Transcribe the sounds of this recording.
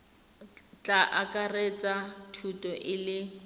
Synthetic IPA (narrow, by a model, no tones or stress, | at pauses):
t͡ɬʼaʔakʼaret͡sʼatʰutʼɔʔɪlɪ